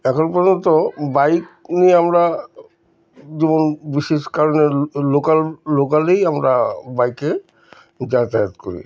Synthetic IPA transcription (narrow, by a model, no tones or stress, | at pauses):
ɛkʰonpɔɾd͡ʑont̪obajk̚nieamɾa | d͡ʑibonbiʃeʃkaɾonelokalːokalejamɾabajke | d͡ʑat̪aet̪koɾḭ